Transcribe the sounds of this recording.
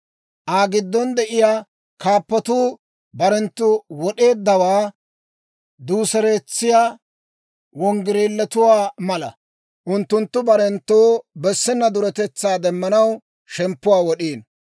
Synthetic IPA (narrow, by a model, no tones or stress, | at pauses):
ʔaːɡɪd̪ːɔnd̪ɛʔɪjaː | kaːpːɐt̪uː | bɐɾɛnt̪ːʊwɔɗe̞ːd̪ːɐwaː | d̪uːsɛɾeːt͡sːɪjaː | wɔŋɡɪɾeːlːɛt̪ʊwaːmɐlɐ̰ | ʔʊnt̪ːʊnt̪ːʊbɐɾɛnt̪ːoːbɛsːɪnːɐd̪ʊɾɛt̪ɛt͡sːaːd̪ɛmːɐnɐw | ʃɛmpːʊwaːwɔɗiːn